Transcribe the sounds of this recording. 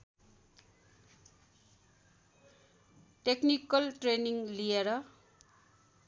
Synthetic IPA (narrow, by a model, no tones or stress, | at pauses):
ʈeknikʌlʈreniŋlijeɾʌ